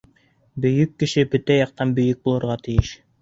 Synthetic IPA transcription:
bɵ̆jɵkːɘ̆ʃɘbɵt̪æjɑq̚t̪ɑnbɵ̆jɵk̚bulˠɤ̆ɾʁɑt̪ɘ̆jɘʃ

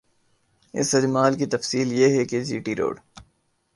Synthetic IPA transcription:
ɪ̰sɐdmaːlkit̪ɐfsiːljeɦɛked͡ʒiːʈiɾo̰ːɖ

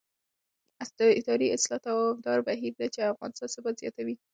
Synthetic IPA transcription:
asd̪̥əɪd̪ɑɾiɪslɑt̪awfd̪ɑɾbaɦiɾd̪at͡ʃeafɣɑ̰nɪst̪ɑnsəbazjɑ̰t̪awi

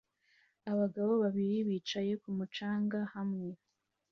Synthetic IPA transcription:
aβaɡaβo̞βaβiɾiβiːt͡ʃaje̞kumut͡ʃaːŋɡahamŋe̞

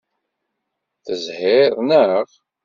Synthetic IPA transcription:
θəzhɪðˤnəʁ

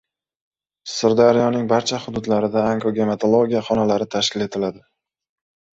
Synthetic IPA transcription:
sɪɾd̪aɾijɒnɪŋbaɾt͡ʃʰaχʊd̪ʊd̪laɾɪd̪aaŋɡoɡʲe̞met̪ʰolˠoɡʲijaχɒnalaɾɪt̪ʰaʃkʲɪle̞t̪ʰɪlad̪ɪ

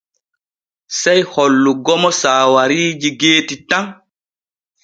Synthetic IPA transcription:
sɛjhɔlːuɡɔmɔsaːwaɾiːd͡ʒiɡeːtitaŋ

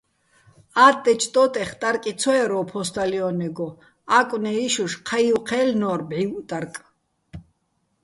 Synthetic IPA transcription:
aːt̪ʼːɛt͡ʃʰt̪ʼɔt̪ʼɛχt̪ʼaɾkʼit͡sʰɔɛɾɔːpʰɔst̪ʰʼaliɔnɛɡɔ | akʼwnɛiʃuʃqʰajwqʰɛːlnɔːrbʕiwt̪ʼaɾkʼ

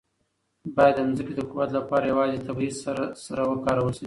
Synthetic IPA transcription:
bɑjad̪ːamzəked̪əkuwat̪lapɑɾajawɑzet̪abizsaɾawəkɑɾawəsai

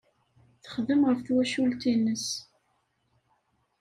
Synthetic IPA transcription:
θə̥χðəmʁəfθwæʃult̪inːəs

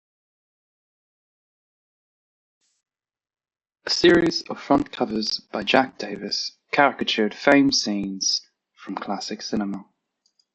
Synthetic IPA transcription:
əsɪəɹɪzə̰v̥fɹʌ̃nkʰʌvəzb̥aɪd͡ʒak̚d̥eɪvɪskʰaɹɪkət͡ʃəːd̥fẽɪ̃msĩːnz̥ | fɹə̃mkʰl̥asɪksɪnəmə

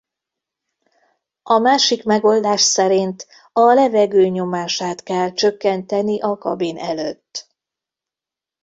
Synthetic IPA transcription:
ɒmaːʃikmɛɡo̞ld̪aːʃsɛɾint̪ | ɒlɛvɛɡøːɲo̞maːʃaːt̪kɛlt͡ʃø̞kːɛnt̪ɛniʔɒkɒ̰binʔɛløːt̪ː

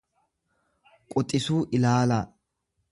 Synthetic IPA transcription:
kʼɔt̪ʼːɪsuːʔɪlaːlɐ

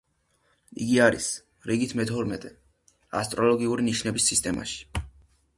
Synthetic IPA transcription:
iɡiaɾis | ɾiɡit̪ʰmɛt̪ʰɔɾmɛt̪ʼɛ | a̰st̪ʼɾɔlɔɡiuɾiniʃnɛbisːist̪ʼɛma̰ʃi̥

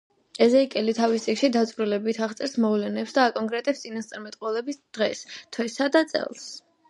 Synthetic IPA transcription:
ɛzɛikʼɛlit̪ʰavist̪ʼikʃid̪at̪sʼvɾilɛbit̪ʰaʁt̪sʼɛɾsmɔvlɛnɛpsd̪aːkʼɔŋkʼɾɛt̪ʼɛpst̪sʼinast̪sʼaɾmɛt̪ʼqʼwɛlˠɛbisd̪̥ʁɛst̪ʰwɛsad̪at̪sʼɛ̰lˠs

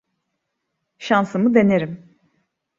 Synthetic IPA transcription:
ʃansɯmɯd̪e̞neɾim

